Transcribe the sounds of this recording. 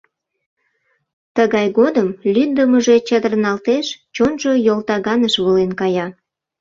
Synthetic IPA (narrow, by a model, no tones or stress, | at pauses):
t̪əɣɑjɣod̪əmlyd̪əməʒe̽t͡ɕəd̪ərnɑlt̪eʃt͡ɕonʒo̽jolt̪ɑɣɑnəʃβulenkɑjɑ